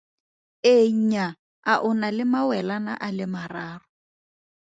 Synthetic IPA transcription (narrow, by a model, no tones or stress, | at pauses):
eɲ̩ɲa | aʔʊnalɪmawɛlana̰ʔalɪmaraːrʊ